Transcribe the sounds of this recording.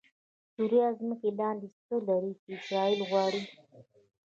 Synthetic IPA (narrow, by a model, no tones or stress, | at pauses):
suɾijɑzməkelɑnd̪ist̪olaɾit͡ʃiɪsɾɑilɣwɑːɽi